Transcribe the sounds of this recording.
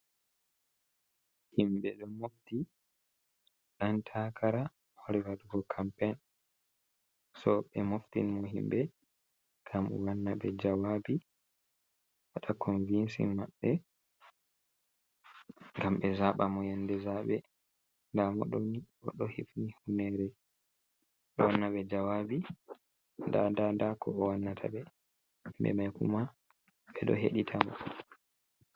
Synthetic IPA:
himbɛɗɔmofti | ɗantʰakʰaɾa | hɔɾɛwaɗuɡɔkʰampɛn | sɔɓɛmoftḭnmɔɦḭmbɛ | kʰamṵwanːaɓɛd͡ʒawaːbi | waɗakʰɔnvinsḭmaɓːɛ | ŋɡamɓɛzaɓamɔjandɛzaɓɛ | ndamɔ̰ɗoni | ɔɗɔhifnihunɛɾɛ | ɗɔwanːaɓɛd͡ʒawabi | nda̰dadakʰɔːwanːatʰa̰ɓɛ | mbɛ̰majkṵma | ɓɛɗɔ̰ɦḛɗitʰamɔ̰

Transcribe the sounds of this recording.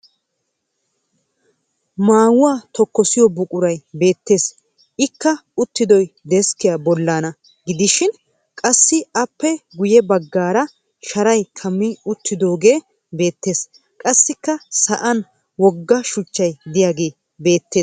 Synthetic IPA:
maːwʊwaːt̪ɔkːɔsɪjɔbʊkʼʊɾɐjbe̞ːt̪ːe̞ːs | ɪkːɐʊt̪ːɪd̪ɔjd̪ɛskɪjabɔlːaːnɐ | ɡɪd̪ɪʃɪn | kʼɐsːɪɐpːɛɡʊjɛbɐɡːaːɾɐ | ʃɐɾɐjkʰɐmːɪʊt̪ːɪd̪o̞ːɡe̞ː | be̞ːt̪ːe̞ːs | kʼɐsːɪkːɐsɐʔɐn | wɔɡːɐʃʊt͡ʃːɐjd̪ɪjaːɡe̞ː | be̞ːt̪ːeː

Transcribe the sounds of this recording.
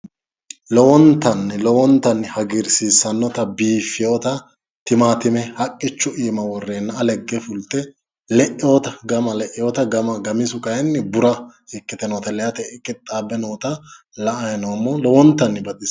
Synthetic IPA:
lɔwɔnt̪ːɐnːlɔwɔnt̪ːɐnːhɐɡɪɾsiːsːɐnːɔt̪ɐbiːfːɪjoːt̪ɐ | t̪ɪmaːt̪ɪmɛhɐkʼːɪt͡ʃːʊʔiːmɐwɔrːeːnːɐlɛɡːɛfʊlt̪ːɛ | lɛʔɪjoːt̪ɐɡɐmɐlɛʔɪjoːt̪ɐɡɐmɐɡɐmɪsʊkɐjɛnːbʊɾɐɪkːɪt̪ɛnoːt̪ɐlɛjɐt̪ɛkʼːɪt̪ʼːaːbɛnoːt̪ɐ | lɐʔɐjnɔmːolɔwɔnt̪ːɐnːɪbɐd̪ɪs

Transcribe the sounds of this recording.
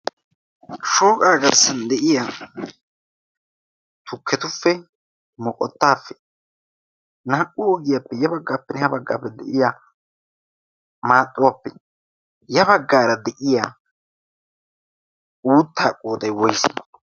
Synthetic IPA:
ʃo̞ːkʼaːɡɐɾsɐnd̪ɛʔɪja | t̪ʰʊkːɛt̪ʊfːɛ | mɔkʼɔ̰t̪ːaːfːɛ̥ | naːkʼːʊɔɡɪjapːɛjɐbɐɡːaːpːɛnɛhɐbɐɡːa̰ːpːɛd̪ɛʔɪja | maːt̪ʼːʊwapːɛ | jɐbɐɡːaːɾɐd̪ɛʔɪjaː | uːt̪ːaːkʼːoːd̪ɐjwɔjs

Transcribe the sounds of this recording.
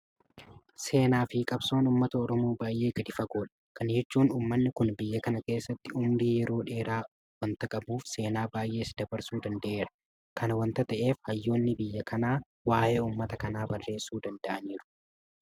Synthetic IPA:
se̞ːnaːfɪkʼɐbso̞ːnuːmːɐt̪ɐɔɾɔmo̞ːbaːjʔe̞ːɡɐd̪ɪfɐɡo̞ːᶑɐ̥kɐnd͡ʒɛt͡ʃːuːnuːmːɐnːɪkʊnbɪjːɐkɐnɐke̞ːsːɐt̪ːɪʊmɾiːjɛɾo̞ːᶑe̞ːɾaː | wɐnt̪ɐkʼɐbuːfse̞ːnaːbaːjʔe̞ːsd̪ɐbɐɾsuːd̪ɐnd̪ɐʔe̞ːɾɐ̥ | kʰɐnɐwɐnt̪ɐt̪ɐʔe̞ːfhɐjːo̞ːnːɪbɪjːɐkʰɐnaː | waːʔe̞ːuːmːɐt̪ɐkɐnaːbɐrːe̞ːsuːd̪ɐnd̪ɐʔɐniːɾʊ̥

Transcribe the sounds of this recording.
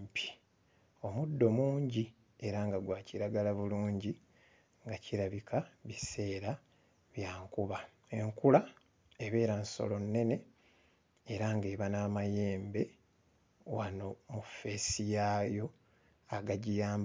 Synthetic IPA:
pʰi̥ | o̞mudːo̞muːɲɟi | e̞ɾaŋɡaɡwaːciɾaɡalaβuluːɲɟi | ŋɡaciɾaβikʰaβise̞ːɾa | βjaːŋkuβa | eŋkula | eβe̞ːɾanso̰lo̞nːe̞ne̞ | eɾaŋɡe̞ːβanaːmaje̞ːmbe̞ | wano̞mufːe̞ːsijaːjo̞ | aɡaɟijaːmb

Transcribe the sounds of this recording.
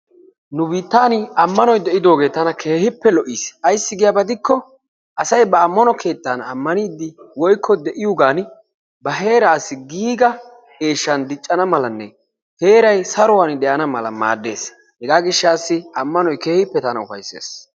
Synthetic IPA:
nʊbiːt̪ːaːnɪɐmːɐnɔjd̪ɛʔɪd̪o̞ːɡe̞ːt̪ɐnɐkʰe̞ːhɪpːɛlɔʔiːsɐjsːɪɡɪjɐbɐd̪ɪkːɔ | ʔɐsɐjbɐːmːɐnɔkʰe̞ːt̪ːanɐmːɐniːd̪ːɪwɔjkʰːɔd̪ɛʔɪjʊɡaːn | bɐɦe̞ːɾaːsːɪɡiːɡɐ | ɡe̞ːʃːɐnd̪ɪt͡ʃʼːɐnɐmɐlɐnːɛ | he̞ːɾɐjsɐɾɔwaːnd̪ɛjɐnɐmɐlɐ̰ma̰ːd̪ːe̞̰ːs | hɛɡaːɡɪʃːaːsːɪɐmːɐnɔjke̞ːhɪpːɛt̪ɐnɐʊfɐ̰jsːḛːs

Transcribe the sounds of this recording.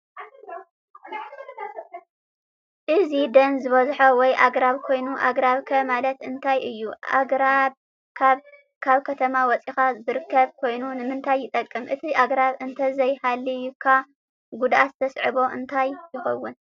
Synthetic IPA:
ʔɨzid̪ɐnzɨβɐzħɐwɔjʔaɡɾaβkʰo̞jnuʔa̰ɡɾaβkʰɐmalɐt̪ɨnt̪ʰajʔɨjːuʔa̰ɡɾab | kʰaβ | kʰaβkʰɐt̪ʰɐmawɔt͡sʼixazɨɾɨkːɐβkʰo̞jnunɨmɨnt̪ʰajːɪt̪ʼɐkʼːɨmʔɨt̪ʰiʔaɡɾaβɨnt̪ʰɐzɐjhalːijɪkʰa | ɡud̪ʔat̪zɨt̪ʰɐsʕɨβo̞ʔɨ̰nt̪ʰajjɪxɐwːɨn

